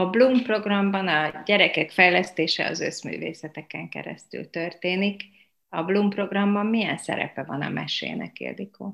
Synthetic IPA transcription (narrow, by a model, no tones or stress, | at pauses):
ɒblumpro̞ɡrɒmbɒnɒɟɛɾɛkɛkfɛjlɛst̪eːʃɛ̰ɒzø̞smy̰ːvḛːsɛt̪ɛkɛŋkɛ̰ɾɛ̰st̪y̰lt̪ø̞rt̪eːnik | ɒblumpro̞ɡrɒmbɒmːijɛnsɛ̰ɾɛ̰pɛvɒnɒ̰mʔɛʃḛːnʔɛ̰kḛld̪ikʰoː